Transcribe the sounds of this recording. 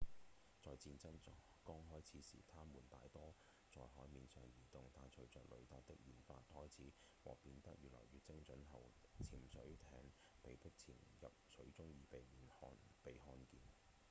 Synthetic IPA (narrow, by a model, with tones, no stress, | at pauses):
t͡sɔː˨jt͡siː˧nt͡sɐ˥nt͡sɔ˨˥ | kɔː˥ŋɦɔː˥jt͡sʰiː˨˥sḭː˨˩t̪ʰaː˥muː˨˩nt̪a̰ː˨˧jt̪ɔː˥ | t͡sɔː˨jɦɔː˨˥jmiː˨˧nsœː˨ŋjiː˨˩t̪ʊ˨ŋt̪aː˧jt͡sʰɵ˨˥ɥt͡sœː˨k̚lɵ˨˧ɥt̪aː˨˩t̪ɪ˥k̚jiː˨nfaː˧t̚hɔː˥jt͡sʰiː˨˥ | wɔ̰ː˨˩piː˧nt̪ɐ̰˥k̚jyː˨lɔ̰ː˨˩jyː˨˧t͡sɪ˥ŋt͡ʃɵ˨˥nɦɐ˨wt͡sʰiː˨˩msɵ̰˨˥ɥt̪ʰɛː˧ŋ | pe˨jpɪ˥k̚t͡sʰiː˨˩njɐ̰˨p̚sʰɵ˨˥ɥt͡sʊ˥ŋjiː˨˧pe˨jmiː˨˩nhɔː˧npe˨jɦɔː˧nkiː˨˧n